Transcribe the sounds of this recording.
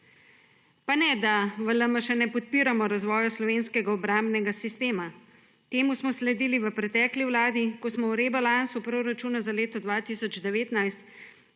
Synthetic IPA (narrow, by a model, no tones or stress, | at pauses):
panɛd̪aʋələməʃɛnɛpɔt̪̚piːɾamɔɾazʋɔːjaslɔʋeːnskɛɡaɔbɾambnɛɡasist̪eːma | t̪eːmusmɔslɛd̪iːliʋəpɾɛt̪ɛːkliwlaːd̪ikɔsmɔwɾebalansupɾoːɾat͡ʃuːnazaleːt̪ɔd̪ʋaːt̪isɔd͡ʒd̪ɛʋeːt̪najst̪